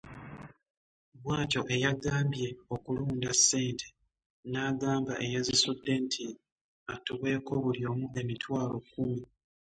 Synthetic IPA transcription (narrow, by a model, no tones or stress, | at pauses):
βwaːco̞ʔe̞jaɡaːmbje̞okuluːndasːe̞ːntʰe | naːɡaːmbaʔejezisudːe̞ntʰi | atːuβwe̞ːko̞βuljo̞ːmue̞mitwaːlo̞kːumi